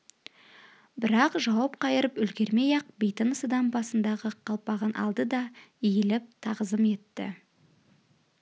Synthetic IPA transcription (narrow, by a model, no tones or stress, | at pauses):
bɪɾɑqʒɑwɑp̚qʰɑjəɾəpʏlɡʲe̞ɾme̞jɑq̚bejt̪ənəsəd̪ɑmbɑsənd̪ɑʁəqʰɑlˠpɑʁɑnʔɑ̰lˠd̪əd̪ɑijelɪp̚t̪ʰɑʁəzəme̞t̪ːɪ̰